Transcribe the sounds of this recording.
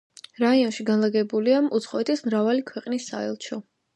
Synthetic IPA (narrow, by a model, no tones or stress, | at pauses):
ɾaiɔnʃiɡanlˠaɡɛbuliamut̪sʰχɔɛt̪ʰismɾavalikʰwɛqʼnisːa̰ɛ̰lˠt͡ʃʰɔ